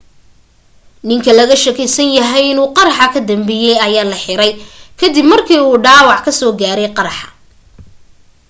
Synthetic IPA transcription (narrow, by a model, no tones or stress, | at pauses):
nɪŋkʰɐlɐɣɐʃɐkʰɪsɐnjɐɦɛjɪnuːqɑɾɑħɑkʰɐd̪ɐmbɪjɛjɐjaːlɐħɪɾɛjkʰɐd̪ɪbmɐrkʰiːuːɖaːwɑʕkʰɐsɔːɡaːɾɛjqɑɾɑħɑ